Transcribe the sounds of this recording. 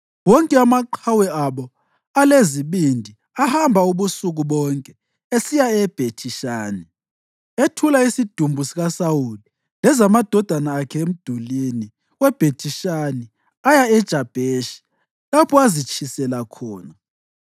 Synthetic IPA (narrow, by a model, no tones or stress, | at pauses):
wɔŋkʼɛamaǃʰawɛaɓɔ | aleziɓindʱi | ahambʱauβusuɣuɓɔŋkʼɛ | esijaɛb̥ʱetʰiʃaːni | etʰulaisid̥ʱumbʱusiɣasawuli | lɛzamad̥ʱɔd̥ʱanaːkʰɛem̩d̥ʱulini | wɛb̥ʱetʰiʃani | ajaɛd̥ʒ̥ʱab̥ʱeʃi̥ | lapʰɔazit͡ʃʰisɛlakʰɔːna